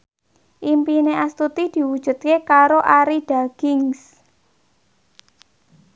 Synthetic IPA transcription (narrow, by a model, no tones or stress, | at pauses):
ʔimpineʔast̪ut̪id̪̥i̤wud̥ʒ̥ṳt̪̚kekaɾoʔaɾiɖ̥a̤ɡ̥ɪŋs